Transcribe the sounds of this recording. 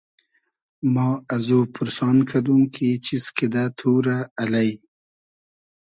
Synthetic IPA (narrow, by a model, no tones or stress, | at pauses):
mɑːazupʰʊɾsɑːnkʰad̪umkʰit͡ʃiskid̪at̪ʰuːɾaːlaj